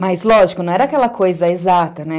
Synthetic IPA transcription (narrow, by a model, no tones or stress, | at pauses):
maizloʒkonoɾakalakʰoizaizaːt̪anɛ